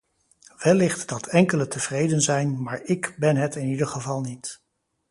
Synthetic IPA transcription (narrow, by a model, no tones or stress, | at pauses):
ʋɛlɪχtd̥ɑtɛŋkələtəv̥rejdənzɛjnmaːɹɪkbɛnɦətɪnidəɹχəvɑlˠnit